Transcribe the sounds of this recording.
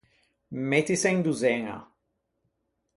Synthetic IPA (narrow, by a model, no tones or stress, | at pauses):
met̪iseŋd̪uzɛŋa̰